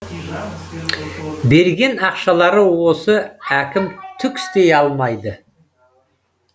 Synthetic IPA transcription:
be̞ɾɡʲe̞nɑqʃɑlˠɑɾəwo̞səækʲɪmt̪ʰʏkʲɪ̥st̪e̞jɑlˠmɑjd̪ə

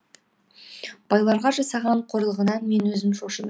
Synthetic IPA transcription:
b̥ɑjlˠɑɾʁɑʒɑsɑʁɑɴqʰoɾəlˠʁənɑme̞nwɵzɪmʃoʃəm

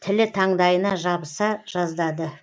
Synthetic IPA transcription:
t̪ʰɪlɪt̪ʰɑɴd̪ɑjənɑʒɑbəsɑʒ̥ɑzd̪ɑd̪ə

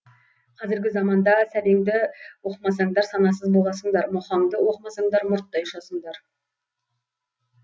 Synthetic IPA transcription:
qʰɑzɪɾɡʲɪzɑmɑnd̪ɑsæleŋd̪ɪwo̞qəmɑsɑɴd̪ɑɾsɑnɑsəzbo̞lˠɑsəɴd̪ɑɾmoχɑɴd̪əwo̞qəmɑsɑɴd̪ɑɾmʊɾt̪ːɑjʊʃɑsəɴd̪ɑɾ

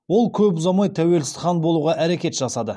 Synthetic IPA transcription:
wo̞lˠkʲʰɵpzɑmɑjt̪ʰæwe̞lsɪ̥zχɑnbo̞lˠuʁɑʔæɾekʲe̞t̪ʒ̥ɑsɑd̪ə

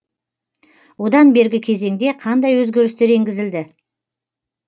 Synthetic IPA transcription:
wo̞d̪ɑnbe̞ɾɡʲɪkʲʰe̞ze̞ŋd̪e̞qʰɑnd̪ɑjwɵzɡʲe̞ɾɪst̪e̞ɾe̞ŋɡʲɪzɪld̪ɪ

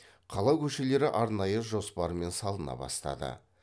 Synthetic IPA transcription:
qʰɑlˠɑwkʲʰɵʃe̞le̞ɾɪʔɑɾnɑjəʒo̞spɑɾəme̞nsɑlˠənɑ̰bɑ̰st̪ɑ̰d̪ə̰

